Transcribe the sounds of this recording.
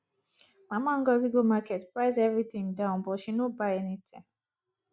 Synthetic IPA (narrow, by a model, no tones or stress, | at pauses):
mãmãŋ̩ɡɔziɡomakɛtpɹaɪzɛvɹiθĩŋdãʊ̃nbɔʃĩnobaɛnitʰɛ̃m